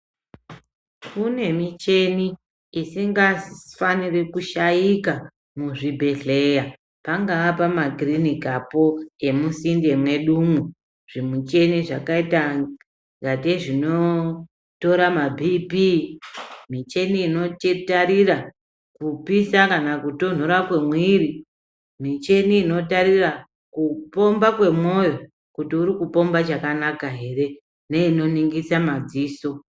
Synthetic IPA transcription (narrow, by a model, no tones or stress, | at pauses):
kune̞mit͡ʃe̞niː | siŋɡafanirekuʃajika | muʐibʱe̞ɮe̞ja | paŋɡaːpamaɡʱrinikapo̞e̞musinde̞mwe̞ɗumu | ʐ̥imut͡ʃe̞niʐa̰kaita | ŋɡateʐino | to̞ɾamabʱipi | mit͡ʃe̞niːno̞tetaɾira | kupisakanakuto̞n̤oɾakwe̞mwiːɾi | mit͡ʃe̞niːno̞taɾira | kupo̞mbakwe̞mo̞jo̞ | kutiuɾikupo̞mbat͡ʃakanakaɦe̞re̞ | neino̞niŋɡisamad͡ziːso̞